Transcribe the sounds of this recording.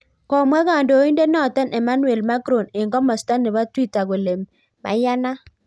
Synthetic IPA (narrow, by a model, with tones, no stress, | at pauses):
kɔ˨mwa˦ɡa˨ndo˨˦i˦nde˦nɔ˦˨tɛ˦nʔɛ˨ma˦nu˦e˨lma˦ɡɾo˨ne˨ŋɡɔ˦mɔ˨sta˦nɪ˨ba˦twi˦˨ta˨ɡo˨le˨m | ma̰˨ja˦na˦